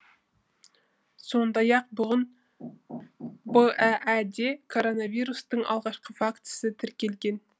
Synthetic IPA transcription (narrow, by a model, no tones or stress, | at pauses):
so̞nd̪ɑjɑq̚bʊʁən | bəʔæʔæd̪ekʰoɾonɑvijɾust̪əɴɑ̰lˠʁɑʃqəfakt̪sət̪ʰɪɾkʲe̞lɡʲen